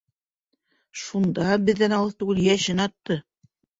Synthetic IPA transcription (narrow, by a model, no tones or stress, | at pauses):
ʃund̪ɑbɘ̆ðːænɑw̪ˠɤðt̪ʉɡɘljæʃɘnɑt̪ːɤ